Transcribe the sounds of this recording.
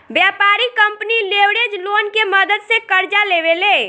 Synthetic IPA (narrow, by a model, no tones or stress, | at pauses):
bjapaɾikəmpnilewɽed͡ʒlonkeməd̪əd̪sẽkəɾd͡ʒalebele